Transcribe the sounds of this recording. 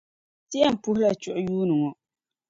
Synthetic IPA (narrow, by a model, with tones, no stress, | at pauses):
tɪ˦jɛ˦m̩˨pʊ˦hʊ˦la˨t͡ʃʊ˨ʔʊ˦juː˦nɨ˨ŋɔ˨